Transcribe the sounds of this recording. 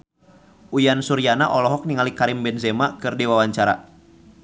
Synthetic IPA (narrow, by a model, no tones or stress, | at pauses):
ʔujansuɾianaʔɔlɔɦɔk̚niŋalikaɾɪmbɛnzɛmakɨrdewawaɲt͡ʃaɾa̰